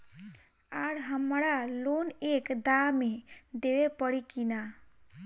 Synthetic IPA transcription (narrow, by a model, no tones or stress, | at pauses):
aɽɦəmɾalonekd̪amed̪ewepəɽikina